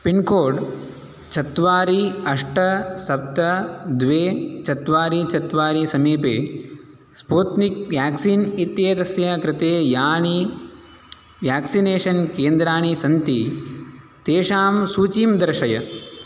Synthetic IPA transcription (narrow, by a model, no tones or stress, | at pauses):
piɳkoːɖ | t͡ʃʰɐt̪ʋaːɾiɐʂʈɐsɐp̚t̪ɐd̪ʋeːt͡ʃɐt̪ʋaːɾit͡ʃɐt̪ʋaːɾisɐmiːpeː | spuːt̪nik̚ʋjaːksiːnit̪jeːt̪ɐsjɐkɾɪt̪eːjaːɳi | ʋjaːksineːʂɐnkeːnd̪ɾaːɳisɐnt̪i | t̪eːʂaːmsuːt͡ʃiːmd̪ɐɾɐʃɐjɐ